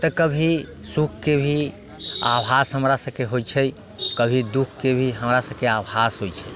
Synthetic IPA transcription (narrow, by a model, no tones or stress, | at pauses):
t̪əkəbʱi | sukʰkebʱi | abɦasɦəmɾasə̃bkeɦojt͡ʃʰɛj | kəbʱid̪ukʰkebʱiɦəmɾasəbkeabasɦojt͡ʃʰɛ